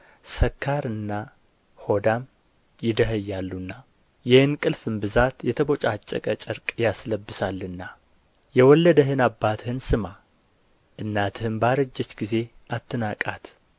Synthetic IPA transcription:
səkʰːaɾɨnːa | ho̞d̪am | jɪd̪əɦəjːalːunːa | jɪhɨnkʼɨlfɨmbɨzat̪jɛt̪ʰəbo̞t͡ʃʼat͡ʃʼːə̰kʼət͡ʃʼəɾkʼjasləbːɨsalːɨnːa | jɛwɔlːəd̪əɦɨnabːat̪ʰhɨnsɨma | ʔɨnːat̪ʰhɨmbaɾəd͡ʒːɛt͡ʃɡize̞ʔat̪ʰːɨnakʼat̪

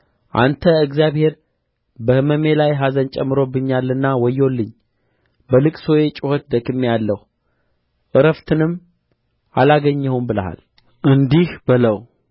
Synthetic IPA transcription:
ʔa̰nt̪ʰəɨɡzjaβhe̞ɾ | bəhɨməme̞lajɦazənt͡ʃʼɛmːɨɾo̞bːɨɲːalːɨnːawɔjːo̞lːɨɲː | bəlɨkʼso̞je̞t͡ʃʼɪhot̪̚d̪əkɨmːejalːəhu | ʔɨɾəft̪ʰɨnɨmː | ʔalaɡəɲːəwumbɨləha̰l | ʔɨnd̪ihbɨləw

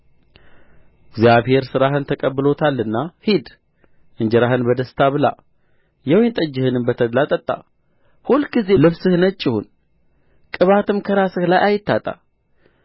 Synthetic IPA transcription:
ɪɡzijaβhe̞ɾsɨɾaɦɨnt̪ʰəkʼəbːɨlo̞t̪ʰalːɨnːahid̪ | ʔɨɲd͡ʒɛɾaɦɨnbəd̪əst̪ʰaβɨla̰ | jɛwjnt̪ʼəd͡ʒːɪhɨnɨmbət̪ʰəd̪lat̪ʼət̪ʼːa̰ | hulɡize̞lɨβsɨhnət͡ʃʼːɪhṵn | kʼɨβat̪ʰɨmkʰəɾasɨhlajʔajɪt̪ːat̪ʼa̰

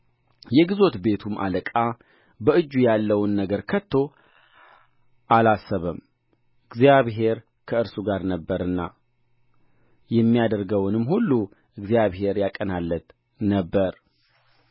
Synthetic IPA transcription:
jɛɡizo̞t̪be̞t̪ʰuma̰ləkʼa | bəɨd͡ʒːujalːəwnːəɡəɾkʰət̪ʰːo̞ | ʔalasːəβəm | ʔɨɡzijaβɦe̞ɾ | kʰəɨɾsuɡaɾnəbːəɾɨnːa | jɛmːijad̪əɾɡəwnɨmhulːu | ʔɨɡzijaβɦe̞ɾjakʼənalːət̪ | nəbːəɾ

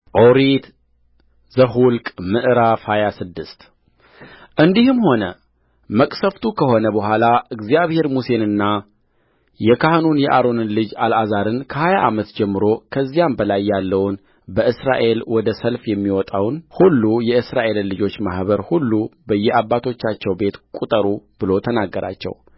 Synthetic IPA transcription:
ʔoɾit̪ | zəɦulkʼmɨʔɨɾafhajasɨd̪ːɨst̪ | ʔɨnd̪ihɨmho̞nə | məkʼsəft̪ʰukʰəho̞nəbəɦʷalaʔɨɡzijaβhe̞ɾmuse̞nɨnːa | jɛkʰahnunjɛʔaɾo̞nɨnlɨd͡ʒalʔazaɾɨnkʰəhajaʔamət̪d͡ʒɛmːɨɾo̞kʰəzːijambəlajːalːəwn | bəɨsɾa̰ʔe̞lwɔd̪əsəlfjɛmːiwɔt̪ʼawnhulːujɛɨsɾaʔe̞lnlɨd͡ʒo̞t͡ʃːmahbəɾhulːubəjːɛʔabːat̪ʰo̞t͡ʃːat͡ʃːɛwbe̞t̪kʼut̪ʼəɾub̥ɨlo̞t̪ʰənaɡːəɾa̰t͡ʃːɛ̰w

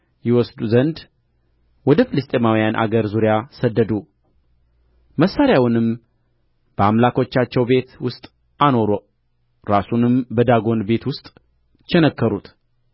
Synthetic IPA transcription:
jɪwɔsd̪uzənd̪ | wɔd̪əfɨlɨst̪ʼemawijanʔa̰ɡəɾzuɾjasəd̪ːəd̪u | məsːaɾjawnɨm | b̥əamlakʰo̞t͡ʃːat͡ʃːɛwbe̞t̪wʊst̪ʼ | ano̞ɾo | ɾasunɨmbəd̪aɡo̞nbe̞t̪wʊst̪ʼ | t͡ʃːɛnəkːəɾut̪

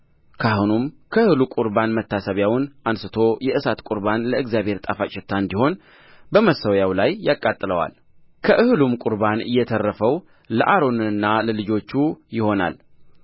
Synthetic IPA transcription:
kʰahunum | kʰəɨhlukʼuɾbanmət̪ːasəβjawnʔansɨt̪ʰo̞jɛʔɨsat̪kʼuɾbanləɨɡzjaβhe̞ɾt̪ʼafat͡ʃʼɪt̪ʰːand̪iho̞n | bəməsəwjawlajːakʼat̪ʼːɨləwa̰l | kʰəʔɨhɨlumkʼuɾbanɨ̰jːɛt̪ʰərːəfəw | ləʔaɾo̞nɨnɨnːaləlɨd͡ʒo̞t͡ʃːujɪho̞na̰l

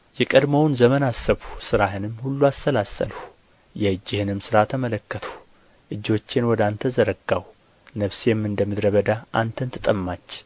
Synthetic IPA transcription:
jɛkʼəd̪məwnzəmənasːəβusɨɾaɦɨnɨmːhulːuast̪əlasːə̰lhu | jɛɨd͡ʒːehɨnɨmsɨɾat̪ʰəmələkːət̪ʰu̥ | ʔɨd͡ʒo̞t͡ʃːɪnwɔd̪ant̪ʰəzəɾəɡaw | nəβsjɛmːɨnd̪əmɨd̪ɾəβəd̪aʔant̪ʰənt̪ʰɨt̪ʼəmːat͡ʃː

